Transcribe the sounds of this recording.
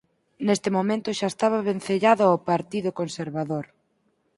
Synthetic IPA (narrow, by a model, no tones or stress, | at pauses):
nest̪ɪmomẽnt̪ʊʃaest̪aβ̞aβen̟θeʎaðʊaopaɾt̪iðʊkonseɾβaðoɾ